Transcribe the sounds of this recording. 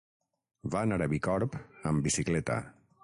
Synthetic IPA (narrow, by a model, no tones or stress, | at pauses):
vanaɾəβikɔɾpəmbisiklɛt̪a̰